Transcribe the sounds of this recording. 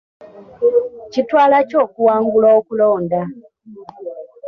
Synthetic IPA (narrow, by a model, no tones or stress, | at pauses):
citwaːlaco̞ːkuwaːŋɡulaokulo̞ːnda